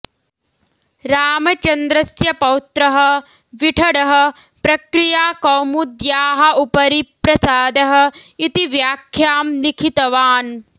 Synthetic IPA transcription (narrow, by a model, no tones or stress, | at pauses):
ɾaːmɐt͡ʃɐnd̪ɾɐsjɐpɐwt̪ɾɐɦɐ̆ | ʋiʈʰɐɽɐɦɐ̆ | pɾɐkɾijaːkoːmud̪jaːɦɐ̆upɐɾipɾɐsaːd̪ɐɦɐ̆it̪iʋjaːkʰjaːmlikʰit̪ɐʋaːn